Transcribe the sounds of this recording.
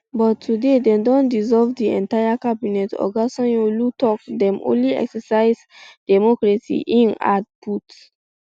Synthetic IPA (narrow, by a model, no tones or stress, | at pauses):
bɔtʰːudedɛ̃mdɔ̃ndizɔlvdiɛ̰̃ntajakabinɛtɔ̰ɡasɔ̃njolutɔkdɛ̃mʔõ̰nliɛ̰ksɛsaɪz | dɛmɔkɹasḭʔĩna̰d̚pʰut